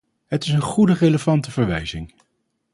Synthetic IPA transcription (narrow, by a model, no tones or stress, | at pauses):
ɦətɪsənχudəreləvɑntəvəɹʋɛjzɪŋ